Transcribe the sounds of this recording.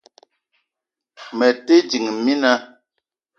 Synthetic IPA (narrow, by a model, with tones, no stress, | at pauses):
mɛ˨te˦d͡ʒi˨ŋmi˦na˦